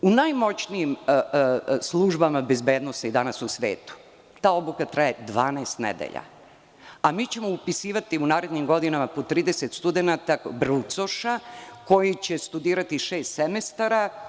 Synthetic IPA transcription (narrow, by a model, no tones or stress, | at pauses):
unajmo̞t͡ɕnijim | slˠuʒbamabezbeːd̪no̞said̪anasusʋḛːt̪u̥ | t̪aːo̞blukat̪ɾajed̪ʋaːnaːst̪nḛd̪ḛʎa̰ | amiːt͡ɕe̞mo̞upisiːʋat̪iunaːɾe̞d̪ɲimɡo̞d̪inamapo̞t̪ɾiːd̪eset̪st̪ud̪enat̪abɾut̪so̞ʃako̞jit͡ɕe̞st̪ud̪iːɾat̪iʃeːst̪semest̪aɾa